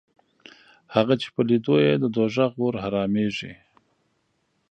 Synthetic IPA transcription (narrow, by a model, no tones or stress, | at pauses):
haɣat͡ʃe̥pəlid̪ojed̪əd̪oʒaɣoɾhaɾɑmeʐḭ